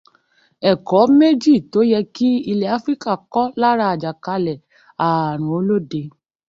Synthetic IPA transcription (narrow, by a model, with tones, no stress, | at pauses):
ɛ˨kɔ˨˦me˦d͡ʒi˦˨to˨˦jɛ˧ki˦i˧lɛ˧˨a˨˦fɾi˦ka˦˨kɔ˦la˦ɾa˧a˨d͡ʒa˨ka˧lɛ˨ | a˨ɾ̃ũ˨o˧˦lo˦de˨˧